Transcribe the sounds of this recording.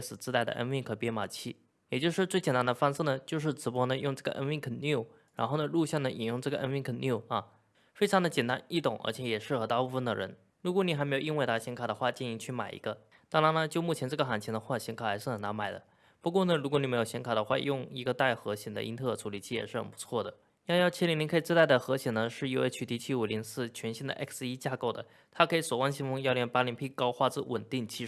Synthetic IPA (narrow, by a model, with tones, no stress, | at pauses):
sɹ̩˨˩t͡sɹ̩˥a˥˩ɪd̪ə̰˩ʔə̰˥nwi˥˩ŋkʰə˧˩pjɛ˥nma˨˩t͡ɕʰi˥˩ | jɛ˨˩t͡ɕjo˥˧ʊʂɻ̩˥˧t͡swe˥˩t͡ɕɛ˨˩nt̪a˥nd̪ə˧fɑ˥ŋsɹ̩˥˩nə˩t͡ɕjo˥˧ʊʂ̬ɻ̩˥˩ʈ͡ʂɻ̩˧˥p̬wɔ˥nə˧jʊ˥˧ŋʈ͡ʂɤ˥˩ɡə̰˨ʔə̰˥nwi˥ŋkʰə˨˩nju˥˩ʊ | ɻa̰˧˥nxo˥˩ʊnə˩lu˥˧ɕjɑ˥˩ŋd̪ə˩ʔi˨˩njʊ˥˧ŋʈ͡ʂɤ˥˩ɡə˩˨ʔə̰˥nwi˥˩ŋkʰə˨˩nju˥˩ʊɐ˥˧ | fe˥ɪʈ͡ʂʰɑ˧˥ŋd̪ə˧t͡ɕjɛ˨˩nt̪a˥ni˥˩t̪ʊ˨˩˦ŋʔə̰˧˥t͡ɕʰjɛ˧˥jɛ˨˩ʂɻ̩˥˩xɤ˧˥t̪a˥˧pu˥˧fə˥˩nd̪ə̰˩ɻə̰˧˥n | ɻu˧˥k̬wɔ˧˥ni˨˩xa˧˥me˧˥jo˨˩i˥nwe˥˧ɪt̪ʰa˥˩ɕi˧˥ŋkʰa˨˩d̪ə˦xwa˥˧t͡ɕɛ˥˩ni˧˥ŋt͡ɕʰy˥˩ma˨˩ɪḭ˧˥ɡə˧ | t̪a˥˩ɻa˧˥nnə˧t͡ɕjo˥˧ʊmu˥˩t͡ɕʰɛ˧˥nʈ͡ʂɤ˥˩ɡə˩xa˧˥nt͡ɕʰɛ˧˥nd̪ə˧xwa˥˩ɕjɛ˧˥ŋkʰa˨˩xa˧˥ʂɻ̩˥˩xə˨˩na˧˥nma˨˩ɪd̪ə̰˦ | pu˧˥kwɔ˥˩nə˩ɻu˧˥kwɔ˧˦n˨˩me˧˥jo˨˩ʊɕɛ˧˥ŋkʰa˨˩d̪ə˦xwa˥˧˩jʊ˥˩ŋi˧˥ɡə˧t̪a˥˩ɪxɤ˧˥ɕjɛ˨˩nd̪ə̰˦ʔi˥nt̪ʰɤ˥˩ʈ͡ʂʰu˧˥li˨˩t͡ɕʰi˥˩jɛ̰˨˩ʂɻ̩˥˩xə̰˨˩npu̥˧˥t͡sʰwɔ˥˩d̪ə˩˥ | ɑ˥˧jɑ˥˧˩t͡ɕʰi˥li˧˥ŋni˧˥kʰɤ˧˥i˨˩ʈ͡ʂ̩˥t̪a˥˩ɪd̪ə˩xɤ˧˥ɕjɛ˨˩nə˧ʂɻ̩˥˩i˥nwe˥˧˩ɪt͡ɕʰy˧˥t̪ʰi˧˥t͡ɕʰi˥˩u˨˩li˧˥sɹ̩˥˩t͡ɕʰɥɛ˧˥nɕi˥˩d̪ə̰˧ʔɛ̰˥kʰsi˥t͡ɕja˥˧ko˥˩ʊd̪ə̰˩ | t̪ʰa˥kʰɤ˧˥i˧˥swɔ˨˩wa˥nɕi˧˥ŋfɤ˥ŋjɑ˥˧ljɛ˥˩npa˥li˧˥npʰi˥˩kɑ˥ʊxwa˥˧t͡sɹ̩˥˩wə̰˨˩nt̪i˥˩ŋt͡ɕʰi˥˩